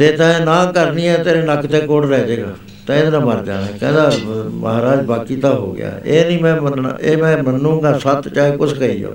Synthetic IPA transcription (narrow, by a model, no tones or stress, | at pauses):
d͡ʒeːt̪ãːeːnãːkəɾniːɛ̃ːt̪eːɾeːnəkt̪eːkoɽɾɛːd͡ʒeːɡa̰ː | t̪ɛ̃ẽd̪nãːməɾd͡ʒa̰ːnɛːkɛ̃ːd̪aːməɦaːɾaːd͡ʒbaːkiːt̪ãːɦo̰ːɡɪ̰ja̰ːeːnĩːmɛ̃ːməna̰eːmɛ̃ːmənːũːɡaːsət̪t͡ʃaːeːkʊskəḭːjo̰ː